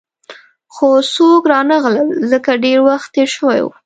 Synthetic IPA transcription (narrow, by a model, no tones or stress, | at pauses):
xosokɾɑnaɣləlzəkaɖeɾwaxt̪eʃəwa̰jwṵ